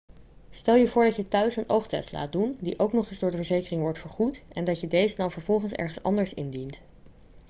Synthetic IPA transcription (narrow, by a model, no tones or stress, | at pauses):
stɛlˠjəvʊːɹdɑcjətœɥsənʔowχtɛ̰stla̰ːt̚dundiʔowknɔχɪzdʊːɹdəvəɹzejkərɪŋʋɔɹtfəɹχutʔɛndɑcjədejzədɑnvəɹvɔlˠχənsɛ̰ɹχənsɑ̰ndəɹsɪ̰ndint